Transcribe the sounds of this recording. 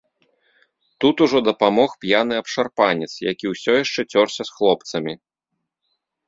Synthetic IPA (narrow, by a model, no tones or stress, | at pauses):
t̪ut̪uʐɔd̪ɐpamɔxpʲjanɨɐpʂarpanʲɛt̪sjakʲiwsʲɔjaʂt͡ʂɛt͡sʲɔrsʲɐsxlˠɔpt̪sɐmʲi